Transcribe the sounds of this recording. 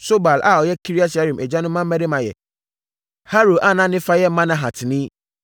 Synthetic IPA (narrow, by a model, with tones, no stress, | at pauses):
so˦ba˨la˨ɔ˨jɛ˦kʰi˦ɾi˦a˦sa˦ɾĩ˨mʔɛ˨d͡ʑã˦nʊ̃˦mã˦m̩˦ɛ̃˦de˦mã˨jɛ̰˨ | ha˦ɾo˨ʔa˦nã˦nɪ̃˦fa˦jɛ˦mã˦nã˦ɦa˨tʰnĩ˦